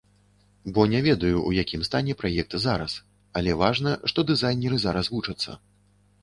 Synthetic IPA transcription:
bɔnʲavʲɛd̪ɐjuʔujakʲimst̪anʲɛpɾajɛk̚t̪ɨzaɾɐs | alʲɛvaʐnɐʂt̪ɔd̪ɨzajnʲɛɾɨzaɾɐsvut͡ʂɐt̪sːɐ̰

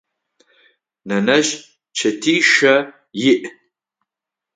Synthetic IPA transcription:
nɐnɐʒ | t͡ʃʰɐtʰiːʃɐ | jɪʔ

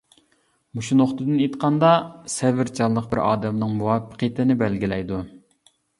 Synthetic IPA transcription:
muʃunoχt̪ɨd̪ɨnet̪qʰɑnd̪ɑsɛvɪɾt͡ʃʰɑlˠːəqbɪ̰ɾʔɑ̰ːd̪ɛmnɨŋmuwɑːpə̥qʰəjt̪ʰɪnɪbælɡʲilɛjd̪u

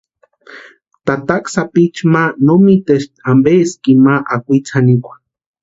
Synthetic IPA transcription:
t̪at̪aksapit͡ʃmanomit̪eʃambeskimaʔakʷit͡sʰanikʷḁ

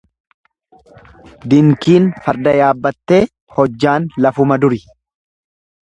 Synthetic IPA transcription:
d̪ɪŋkiːnfɐɾd̪ɐjaːbːɐt̪ːe̞ː | hɔd͡ʒːaːnlɐfʊmɐd̪ʊɾɪ

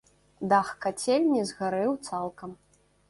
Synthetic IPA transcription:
d̪axkat͡sʲelʲnʲizɣaɾɨwt̪salˠkɐm

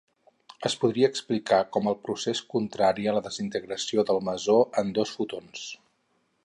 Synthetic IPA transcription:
əspuð̞ɾiəːksplikakɔməlˠpɾuseskunt̪ɾaɾiələðəzint̪əɣɾəsioðəlˠməzoənd̪osfut̪ons

